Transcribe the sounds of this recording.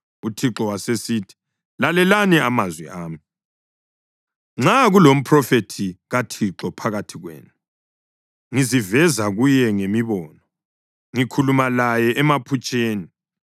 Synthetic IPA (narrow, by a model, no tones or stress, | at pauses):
utʰiǁɔwasesiːtʰi̥ | lalɛlaniamazwḭaːmi | ŋ͡ǁaɣulom̩pʰrɔfetʰiɣatʰiǁɔpʰaɣatʰiɣwḛːnu | ŋizivɛzaɣujɛŋemiβɔːnɔ | ŋikʰulumalajɛʔɛmapʰut͡ʃʼeːni